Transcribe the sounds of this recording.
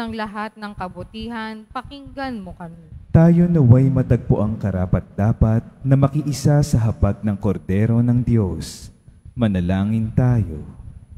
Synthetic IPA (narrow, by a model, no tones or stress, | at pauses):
ɐŋlɐɦat̪̚nɐŋkɐbʊt̪iːɦɐnpɐkɪŋɡanmokɐmit̪aːjo̞nɐwajmɐt̪ɐɡ̚pʊʔaŋkɐɾaːpɐt̪̚d̪̥aːpɐt̪̚nɐmɐkɪʔɪsasɐɦɐbaɡ̚nɐŋkoɾd̪ɛːɾo̞nɐŋd̪jo̞smɐnɐlaːŋɪnt̪aːjo̰